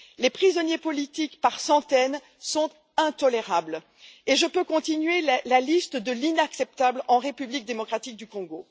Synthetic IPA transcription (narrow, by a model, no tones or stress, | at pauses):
lepχizɔnjepɔlit̪ikpaʁsɑ̃t̪ɛn | sɔ̃t̪ | ɛ̃t̪ɔleʁabl | eʒəpøkɔ̃t̪inɥelalalist̪d̪əlinaksɛp̚t̪ablɑ̃ʁepyblik̚d̪emɔkχat̪ik̚d̪ykɔ̃ɡo